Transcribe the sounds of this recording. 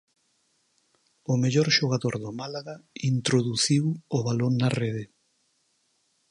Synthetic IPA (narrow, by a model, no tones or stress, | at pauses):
ʊmeʎoɾʃoɣ̞aðoɾðomalaɣaint̪ɾoðuθiwʊβaloŋnareðɪ